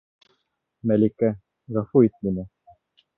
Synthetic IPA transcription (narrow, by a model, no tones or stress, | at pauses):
mælikæ | ʁɑfuit̪̚minɘ